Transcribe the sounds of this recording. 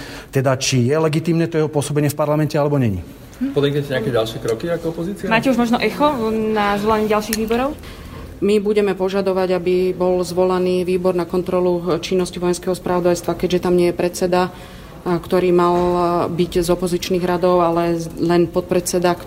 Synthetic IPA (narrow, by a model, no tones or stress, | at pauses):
t̪ɛd̪at͡ʃijɛlɛɡit̪iːmnɛt̪ɔjɛɦɔpʊɔsɔbɛɲɪɛfpaɾlamɛncɛalɛbɔɲɛɲḭ | pɔd̪ɛkɲɛcɛɲɪakɛɟalʃɪɛkɾɔkiakɔɔpɔziːt͡sɪɛmaːcɛuʒmɔʒnɔʔɛxɔnazʋɔlaɲɛɟalʃiːɣʋiːbɔɾɔʊ | mibuɟɛmɛpɔʒad̪ɔʋaɟabibɔlzʋɔlaniːʋiːbɔɾnakɔnt̪ɾɔlut͡ʃinːɔsciʋɔjɛnskɛɦɔspɾʔaʋɔd̪ajst̪ʋakɛɟʒɛt̪amɲɪɛjɛpɾɛt̪t͡sɛd̪a | kt̪ɔɾiːmalbiɟzɔpɔzit͡ʃniːɣɾad̪ɔʊalɛlɛnpɔt̪̚pɾɛt͡sɛd̪ak